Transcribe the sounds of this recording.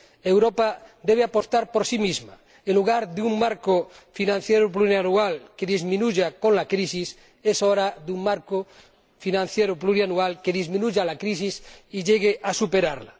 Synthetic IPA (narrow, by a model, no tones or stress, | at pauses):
ewɾopad̪eβeapost̪aɾpoɾsimizma | enluɣ̞aɾðeuŋmaɾkofinãn̟θjeɾopluɾjanualkeðizmĩnuʎakõnlakɾisis | esoɾaðuŋmaɾko | finãn̟θjeɾopluɾianualkeðizmĩnuʎalakɾis̬isiʎeɣeʔasupeɾaɾla